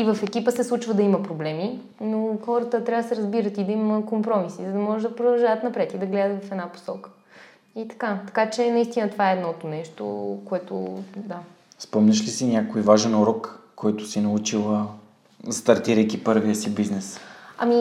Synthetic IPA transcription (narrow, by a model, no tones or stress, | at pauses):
ivɐfɛk̟ipəsɛslˠut͡ʃvəd̪ɐimɐpɾoblɛmi | noxɔɾət̪ət̪ɾʲavd̪sɛɾɐzbiɾət̪id̪ɐimkompɾɔmisizəd̪ɐmɔʒɛd̪ɐpɾod̪ɐlˠʒavət̪nɐpɾɛt̪id̪ɐɡlɛd̪ət̪vɐfɛd̪napo̥sɔkə̥ | it̪ɐ̥kat̪ɐ̥kat͡ʃɛnɐist̪inət̪ovaɛːd̪nɔt̪onɛʃt̪o̰koɛt̪o̰d̪a | spɔmnʲɐʃlisinʲakoivaʒɛnuɾɔkː | ɔjt̪ʊsinɐut͡ʃilˠə | st̪ɐɾt̪iɾəjkipɤɾviəsibiznɛsɐ̰mi